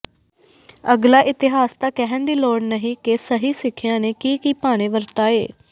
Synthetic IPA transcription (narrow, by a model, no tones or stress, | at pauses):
əɡlaːʔɪt̪ɪɦaːst̪ãːkɛɦə̃nd̪iːloːɽnəɦĩːkesəɦiːsɪkʰːɪjãːneːkiːkiːpaːɽ̃eːʋəɾt̪aːeː